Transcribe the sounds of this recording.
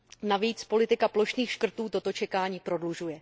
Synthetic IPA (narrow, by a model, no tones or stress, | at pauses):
naviːt͡spo̞lɪt̪ɪkaplo̞ʃniːxʃkr̩t̪uːt̪o̞t̪o̞t͡ʃɛkaːɲiːpɾo̞dluʒujɛ